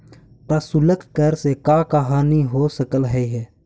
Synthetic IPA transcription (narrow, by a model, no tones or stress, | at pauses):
t̪asʊləkkəɾsekakəɦaːniɦosəkəlɦɛiɦɛː